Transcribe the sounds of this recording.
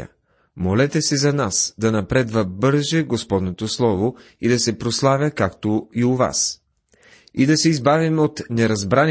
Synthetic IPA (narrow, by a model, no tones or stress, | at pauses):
ə̰ | molɛt̪ɛsɛzɐnasd̪ɐnɐpɾɛd̪vɐbɤɾʒɛɡospɔd̪not̪oslˠɔvoid̪ɐsɛpɾoslˠavʲəkakt̪oiʊva̰s | id̪ɐsɛizbavimot̪nɛɾɐzbɾan